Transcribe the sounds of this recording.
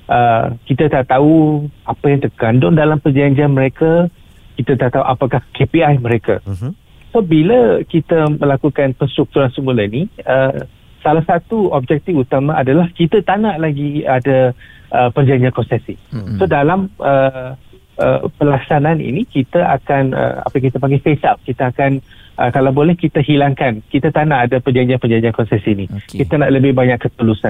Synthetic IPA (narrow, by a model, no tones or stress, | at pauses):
ʔəkit̪at̪aʔt̪auapajaŋt̪ərkandʊŋdalampərd͡ʒaɲd͡ʒianmə̃ɾeka | kit̪at̪aʔt̪auʔapakahkepiajmə̃ɾeka̰ | sobiləkit̪əmə̃lakukanpəst̪ɾuk̚t̪uɾansəmulainiə | salahsat̪uɔb̚d͡ʒɛk̚t̪ifut̪amãadalahkit̪at̪anaʔlaɡiadaʔəpərd͡ʒaɲd͡ʒiakɔnsɛsisodalamə | ə̰pəlaksananḭnikit̪əʔa̰kanə̰a̰pajakit̪apaŋɡefesap̚kit̪aakanə̰kalawbolɛhkit̪aɦilaŋkankit̪at̪anaːdapərd͡ʒaɲd͡ʒianpərd͡ʒaɲd͡ʒiankɔnsɛsinikit̪anaʔləbɪhbaɲakːət̪əlusan